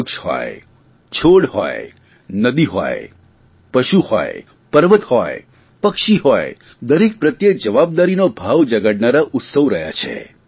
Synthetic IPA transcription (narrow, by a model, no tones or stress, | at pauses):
kʃhɔ̰j | t͡ʃʰoɽhɔ̰j | nəd̪iɦɔ̰j | pəʃuhɔ̰je | pəɾʋət̪hɔe | pəkʃiɦoj | d̪əɾek̚pɾət̪jək̚d͡ʒəʋab̚d̪aɾinobʱaʋd͡ʒəɡəɽnaɾaʔʊt̪səʋɾəɦja̰t͡ʃʰḛ